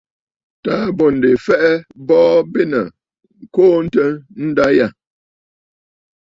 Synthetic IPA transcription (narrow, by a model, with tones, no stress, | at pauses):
ta˦bɔ˨n̩˨de˨fɛ˦ʔɛ˦bɔː˦be˦nə̰˨ | ŋ̩˨koː˦n̩˦tə˦n̩˦da˦ja˦˨